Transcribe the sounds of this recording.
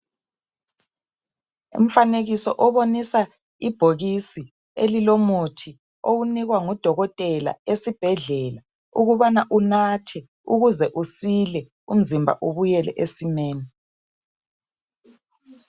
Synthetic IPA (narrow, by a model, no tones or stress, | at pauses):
ṵm̩faneɣisɔʔɔβonisa | ib̥ʱoɣisi | elilomutʰi | owuniɣwaŋɔd̥ʱɔɣɔtʼɛla̰esib̥ʱɛɮɛla | uɣuβanaʔunatʰɛ | uɣuzɛʔusilɛ | um̩zimbʱa̰ʔuβujɛlɛ̰ʔesimɛːnɛ